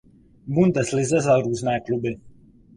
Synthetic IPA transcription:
bund̪ɛslizazaɾuznajklˠubi

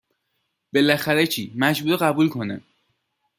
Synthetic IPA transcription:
b̥e̞læxæɾet͡ʃʰiːmæd͡ʒbuːɾeɣæbuːlkʰo̞nḛ

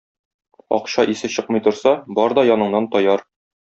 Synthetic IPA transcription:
ɒ̰qɕɑʔisɘɕɤqmɤ̆jt̪ŏɾsɑbɒɾd̪ɒjɒnɤ̆ɴnɑnt̪ɒjɑɾ

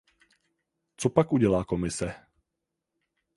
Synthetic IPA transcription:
t͡sopakʔuɟɛlaːkomɪsɛ

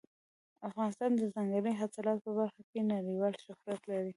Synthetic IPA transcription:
afɣɑnɪst̪ɑnd̪əzaŋɡaləjɦasalɑt̪̚pəbaɾxakenaɽiwɑlʃʊhɾat̪laɾi

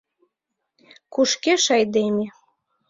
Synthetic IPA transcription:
kuʃkeʃɑjd̪emʲe

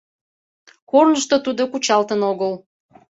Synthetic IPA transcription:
kornəʃt̪ot̪ud̪okut͡ɕɑlt̪ənoɣəl

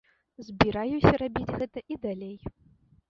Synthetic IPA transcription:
zʲbʲiɾajusʲɐɾabʲid͡zʲɣɛt̪ɐʔid̪alʲej

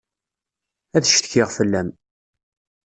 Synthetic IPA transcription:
æðʃθə̥çɪʁfəlːæm

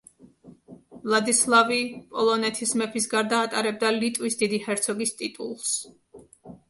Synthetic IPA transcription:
vlˠad̪islˠavipʼɔlˠɔnɛt̪ʰismɛpʰisɡaɾd̪aːt̪ʼaɾɛb̚d̪alit̪ʼvisd̪id̪ihɛɾt̪sʰɔɡist̪ʼit̪ʼṵlˠs

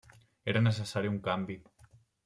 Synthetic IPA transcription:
eɾənəs̬esaɾiuŋkambi

